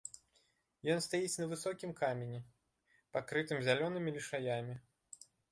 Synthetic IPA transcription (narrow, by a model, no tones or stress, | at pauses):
jɔnst̪ajit͡sʲnɐvɨsɔkʲimkamʲenʲi | pakɾɨt̪ɨmzʲalʲɔnɨmʲilʲiʂajamʲi